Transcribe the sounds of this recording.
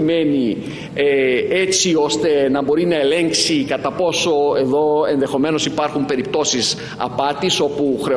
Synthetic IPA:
me̞ni | et͡sio̞st̪e̞nɐbo̞ɾinɐe̞le̞ŋksikɐt̪ɐpo̞so̞e̞ðo̞e̞nðexo̞me̞no̞sipɐɾxumpe̞ɾip̚t̪o̞sis | ɐ̰pɐt̪iso̞puxɾe̞

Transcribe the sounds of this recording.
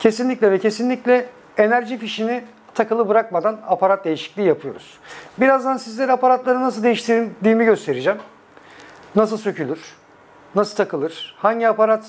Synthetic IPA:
cʰe̞sinlʲiclʲɛvɛcʰe̞sinlʲiclʲɛ | enæɾʒifiʃini | t̪ʰakɯlˠɯbɯɾak̚mad̪anapʰaɾat̪̚d̪e̞jiʃi̥clʲiːjapʰɯjo̞̰ɾṵz̥biɾazd̪ansizlʲe̞ɾiapaɾat̪lˠaɾɯnas̬ɯlˠd̪e̞jiʃt̪ʰiɾd̪ʲiːmiɟø̞st̪ʰe̞ɾid͡ʒæm | nas̬ɯlˠsø̞cylʲyɾ̥ | nasɯlt̪ʰakɯlˠɯɾ̥haɲɟiapaɾat̪

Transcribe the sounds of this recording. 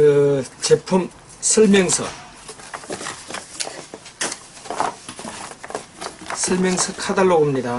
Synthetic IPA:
ɯt͡ɕepʰum | sʰɯɭmjʌŋsʰʌ̰ | sʰɯɭmjʌŋsʰɯkʰadaɭːoɡumɲida

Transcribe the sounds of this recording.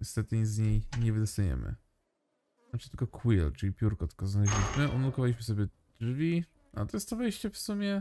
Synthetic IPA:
ɲɛst̪ɛt̪ɘzɲejɲɛvɘd̪ɔst̪ajɛ̰mɘ̰ | aʈ͡ʂɨ̥t̪ɘlkɔkʰwilt͡ʂɘlʲipʲjuɾkɔt̪ɘ̥kɔznaʒʲit͡ʂnɛʔunaukɔvalʲiɕmɘsɔbʲjɛ | dʐvʲi | a̰t̪ɔjɛst̪t̪ɔvɛjɕt͡ɕɛfsumʲjɛ

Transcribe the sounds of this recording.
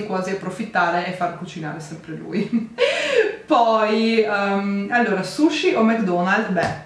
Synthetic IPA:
kwaːziapːɾofit̪ːaːɾeefːarkut͡ʃina̰ːɾesɛmpɾelṵj | pɔjɛmalːoːɾasuʃːiʔomakd̪ɔnald̪bɛ

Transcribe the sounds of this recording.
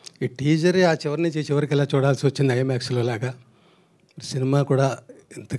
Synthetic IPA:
iːʈiːd͡ʒɐɾaːt͡ʃɛʋɐɾniɲt͡ʃit͡ʃɛʋɐɾikɛlaːt͡ʃuːɽaːlsiʋɐt͡ʃːind̪iɐjɐmjaːkslo̞ːlaːɡɐ | ɐɾisinimaːkuːɽaːint̪ɐ

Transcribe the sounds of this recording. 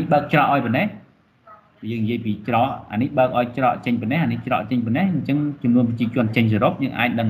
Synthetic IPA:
ihɓəːk̚t͡ɕrɑːʔaɔjpɔnɛh | ɓjəːŋnijiəjpiːt͡ɕrɑːʔa̰ːnihɓəək̚ʔaɔjt͡ɕrɑːʔt͡ɕəɲpɔnɛhʔaniht͡ɕrɑ̰ːʔt͡ɕəɲpɔnehɲt͡ɕəŋt͡ɕumnuənpət͡ɕiət͡ɕʊ̆ənt͡ɕəɲs̬oɾop̚jəːŋʔa̰ːc̚ɗəŋ

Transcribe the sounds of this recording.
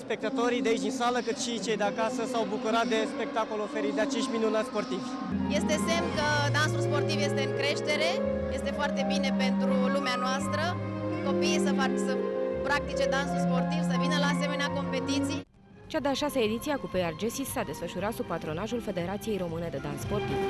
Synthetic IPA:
spe̞k̚t̪at̪o̞ɾijd̪eait͡ʃʲinsaləkɨt̪ʃit͡ʃe̞jd̪eakasəsawbukuɾat̪̚d̪e̞spe̞k̚t̪ako̞lofeɾit̪d̪eat͡ʃe̞ʃt̪minunat̪spo̞rt̪ivʲ | je̞st̪e̞se̞mkəd̪ansulspo̞rt̪ivje̞st̪e̞ɨŋkɾe̞ʃt̪e̞ɾe̞je̞st̪e̞foart̪e̞bine̞pe̞nt̪ɾulumeanoast̪ɾə | ko̞piːsəfaksəpɾak̚t̪it͡ʃe̞d̪ansulspo̞rt̪ivsəvinəlaːse̞me̞neako̞mpe̞t̪it̪sij | t͡ʃad̪eaʃasəed̪it̪siakupejard͡ʒesisːad̪e̞sfəʃuɾat̪sub̚pat̪ɾo̞naʒulfe̞d̪e̞ɾat̪sije̞jɾo̞mɨne̞d̪e̞d̪ansːpo̞rt̪iv

